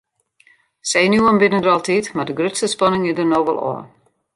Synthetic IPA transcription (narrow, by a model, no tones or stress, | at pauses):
sejnuəmbɪnəndərɑlˠtitmadəɡrøtsəspɑnɪŋɪdərnoːʋɛ̰lˠɔ̰ː